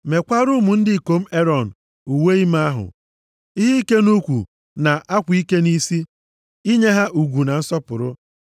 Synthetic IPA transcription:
me˨kʷa˦ɾʊ˦mu˨n̩˦dɪ˦i˨ko˨m̩˦e˦ɾɔ˨n̩˨ | u˨we˦i˦ma˦a˦ɦʊ̰˨ | i˦ɦi˦i˦ke˦nu˦kʷu˨ | na˨ʔa˦kʷi˦ke˦ni˦si˦ | i˦ɲe˦ɦa˦ʔu˨ɡʷu˨na˨n̩˦sɔ˦pʊ˨ɾʊ˦

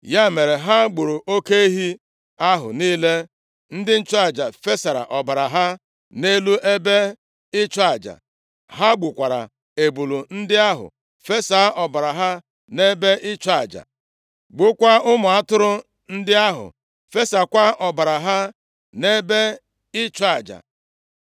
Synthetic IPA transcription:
ja˦˨me˨ɾe˨ɦa˦ɡ͡bu˨ɾu˨ʔo˦ke˦e˦ɦi˦ | a˦ɦʊ̰˨niː˦le˦ | n̩˦dɪ˦n̩˦t͡ʃa˨d͡ʒa̰˨fe˦sa˨ɾa̰˨ʔɔ˨ba˨ɾa˨ɦa˦ | ne˦lu˦ʔe˦be˦ | ɪ˦t͡ʃa˨d͡ʒa̰˨ | ɦa˦ɡ͡bu˨kʷa˨ɾa̰˨ | e˨bu˨lu˨n̩˦dɪ˦a˦ɦʊ̰˨ | fe˦sa˨˦ɔ˨ba˨ɾa˨ɦa˦ | ne˦be˦ʔɪ˦t͡ʃa˨d͡ʒa̰˨ | ɡ͡bʊ˦kʷa˦ʊ˦mʊ˨a˦tʊ˦ɾʊ˦ | n̩˦dɪ˦a˦ɦʊ̰˨ | fe˦sa˨kʷa˦ʔɔ˨ba˨ɾa˨ɦa˦ | ne˦be˦ | ɪ˦t͡ʃʊ˦a˨d͡ʒa̰˨

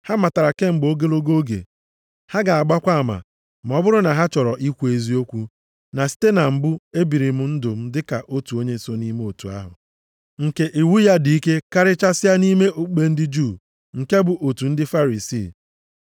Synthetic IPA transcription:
ha˦ma˨ta˨ɾa˨ke˦ŋ͡m̩˨ɡ͡bo˦ɡe˦lo˦ɡo˦ɡḛ˨ | ha˦ɡa˨a˨ɡ͡ba˦kʷa˦˨ma̰˨ | ma˨ɔ˦bʊ˦ɾʊ˦na˨ɦa˦t͡ʃɔ˨ɾɔ˨ʔi˦kʷe˨zi˦o˦kʷu˦ | na˨si̥˦te˦na˨m̩˨bʊ˦e˦bi˨ɾi˨m̩˦n̩˦dʊ˨m̩˦dɪ˦ka˨ʔo˦tu˨o˦ɲe˦˨so˦ni˦me˦o˨tu˨a̰˦ɦʊ̰˨ | ŋ̩˨ke˨ʔi˨wu˦ja˦di˨i˦ke˦ka˦ɾɪ˦t͡ʃa˦sɪ˦a˦ni˦me˦ʔo˦k͡pe˦n̩˦dɪ˦d͡ʒuː˦˨ | ŋ̩˨ke˦bʊ˨ʔo˨tu˨n̩˦dɪ˦fa˦ɾi˨sḭː˦˨

